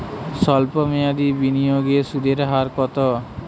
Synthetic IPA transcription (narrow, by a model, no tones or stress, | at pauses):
sɔlpɔmejad̪ibinijoɡesud̪eɾɦaɾkɔt̪ɔ